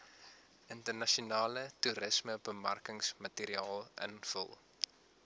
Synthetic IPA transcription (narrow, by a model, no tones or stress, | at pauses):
ʔəntərnɐʃiunɑːlətuɾəsməbəmɐ̰rkəŋsmɐtiːɾiɑːlˠʔə̰nfə̰lˠ